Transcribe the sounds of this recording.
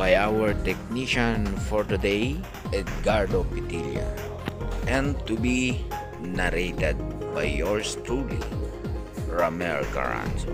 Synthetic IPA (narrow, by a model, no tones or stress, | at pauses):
bajawəɹt̪ɛkniʃãnfɔɹt̪ud̪ej | ɛt̪̚ɡaɹd̪opit̪ilja̰ | ɛ̃nt̪ubi | naɾet̪ed̪̚bajːɔɹst̪ʰudḭ | ɹamɛlɡa̰ɹã̰nt